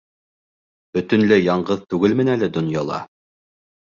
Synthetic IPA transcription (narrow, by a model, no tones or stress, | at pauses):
b̥ɵ̆t̪ɵ̆nlɘjɑɴɢɤðt̪ʉɡɘlmɘ̆nælɘd̪ŏnjɑlˠɑ̰